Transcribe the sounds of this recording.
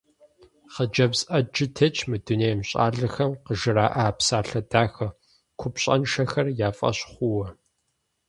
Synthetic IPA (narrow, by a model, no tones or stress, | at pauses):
χəd͡ʒɐbzʔɐd͡ʒɪtʰɐt͡ʃʰʼmɨduneːjmɕʼa̰ːɮɨxɐmqəʒɨraːʔaːpsaːɬɐdaːxɐ | kʷʰʊpɕʼɐ̰nʃɐxɐrjaːfʼɐ̰ɕχʷʊwɐ